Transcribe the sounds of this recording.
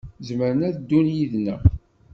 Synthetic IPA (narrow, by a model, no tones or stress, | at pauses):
zməɾənæðd̪ːunjiðnæ